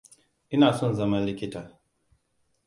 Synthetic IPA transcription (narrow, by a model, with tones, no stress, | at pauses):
ʔɪ˦naː˨sɔ˦nzɐ˦ma˦li˦kʲi˦ta˨